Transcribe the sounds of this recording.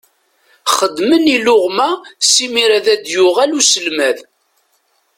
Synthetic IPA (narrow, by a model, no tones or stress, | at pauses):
χəd̪ːmənilʊʁmæsimiɾæðæd̪jʊʁælusəlmæð